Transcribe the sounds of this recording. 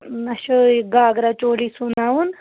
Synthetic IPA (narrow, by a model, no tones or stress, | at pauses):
nɐɕɐɡaːɡɾat͡ʃoːlisunaːwun